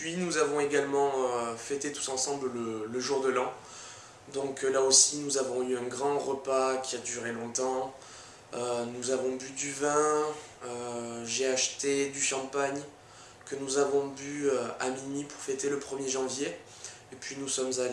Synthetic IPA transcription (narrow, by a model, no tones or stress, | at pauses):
pɥinuzavɔ̃eɡalmɑ̃øfɛt̪et̪u̥sɑ̃sɑ̃bllələʒuʁd̪əlɑ̃ | d̪ɔ̃klaosinuzavɔ̃yɛ̃ɡʁɑ̃ʁəpakʲiad̪yʁelɔ̃t̪ɑ̃ | ønuzavɔ̃byd̪yvɛ̃ | øʒeaʃt̪ed̪yʃɑ̃paɲ | kənuzavɔ̃byøamimipuʁfɛt̪eləpχəmjeʒɑ̃vje | epɥinusɔmzal